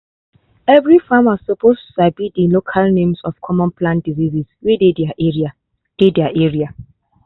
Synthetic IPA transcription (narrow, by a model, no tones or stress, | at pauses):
ɛvɹifãmɔssɔpʰostuabidilokʰalnẽmsɔfkʰɔmɔ̃npʰlãndiziziswededaʔɛɹia | d̥edjaʔɛɹia